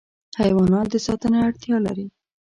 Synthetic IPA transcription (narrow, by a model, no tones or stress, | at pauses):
hajwɑnɑt̪̚d̪əsɑt̪əneaɽt̪jɑla̰ɾi